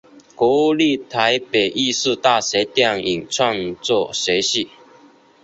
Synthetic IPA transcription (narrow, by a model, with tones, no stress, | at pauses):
kwɔ˧˥˦u˥˧li˥˧˨t̪ʰa˧˦ɪpe˨˩ʔi˥˧sɹ̩˥˧t̪a˥˨se˧˥t̪jɑ˥˨ŋi˨˩ŋt͡sʰwɑ˥˧ŋt͡swɔ˥˧se˨˦ɕi˥˩